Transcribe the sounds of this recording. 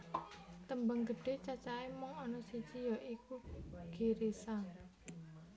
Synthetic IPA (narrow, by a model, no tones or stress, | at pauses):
t̪əmbaŋɡəɖ̥e̤t͡ʃat͡ʃaemɔŋɔnɔsit͡ʃijɔʔikuɡ̥e̤ɾesaŋ